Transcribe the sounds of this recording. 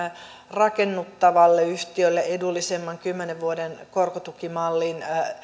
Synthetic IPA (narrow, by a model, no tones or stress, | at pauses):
rɑkenːut̪ːɑʋɑlːeyht̪iølːeedulːisemːɑŋkymːeneʋʋuodenkorkot̪ukimɑlːin